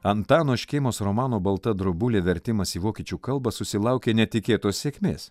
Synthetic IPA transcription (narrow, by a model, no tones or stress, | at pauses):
ɐnt̪ɑːnoːʃʲkɛɪmoːsɾɔmɑːnoːbɐlˠt̪ɐd̪ɾʊbʊlʲeːʋʲɛɾʲt̪ʲɪmɐsiːʋoːkʲiːt͡ʃʲuːkɐlˠbɐsʊsʲɪlˠɑˑʊkʲeːnʲɛt̪ʲɪkʲeːt̪oːsʲsʲeːkʲmʲḛːs